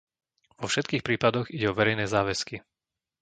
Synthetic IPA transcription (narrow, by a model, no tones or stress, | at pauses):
ʋɔfʃɛt̪̚kiːxpɾiːpad̪ɔɣiɟɛɔʋɛɾɛjnɛːzaːʋɛski